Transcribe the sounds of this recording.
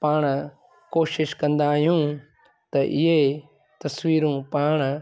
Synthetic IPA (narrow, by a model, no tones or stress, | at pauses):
paːɳ̃ | koːʃɪʃkɐ̃nd̪aːjũː | t̪ɐʔɪɦe | t̪ɐswiːɾũːpaːɳ̃